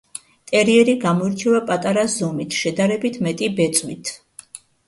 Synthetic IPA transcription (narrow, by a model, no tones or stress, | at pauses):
t̪ʼɛɾiɛɾiɡamɔiɾt͡ʃʰɛvapʼat̪ʼaɾaszɔmit̪ʰʃɛd̪aɾɛbit̪ʰmɛt̪ʼibɛt̪sʼwit̪ʰ